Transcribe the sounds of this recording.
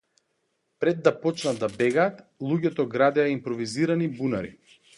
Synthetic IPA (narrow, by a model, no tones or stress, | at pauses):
pɾɛd̪ːapɔt͡ʃnad̪abɛɡaːt̪lˠuɟɛt̪ɔɡɾad̪ɛjaimpɾɔviziɾanibunaɾḭ